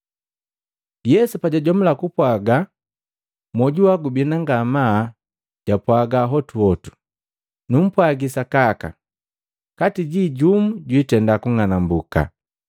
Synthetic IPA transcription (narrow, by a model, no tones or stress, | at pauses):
jɛsupaɟaɟɔmulakupwaɡa | mɔɟuwaɡubinaŋɡama | ɟ̥apwaɡaɦɔtuɔtu̥ | num̩pwaɡisakaka̰ | katiɟiɟumuɟwitɛndakuŋanambuka̰